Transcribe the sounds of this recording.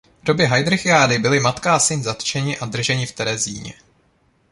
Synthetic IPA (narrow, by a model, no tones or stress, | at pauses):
dobɪɦajdɾɛxɪaːdɪbɪlɪmat̪kaːsɪnzat̪t͡ʃɛɲɪʔad̪r̩ʒɛɲɪft̪ɛɾɛziːɲɛ̰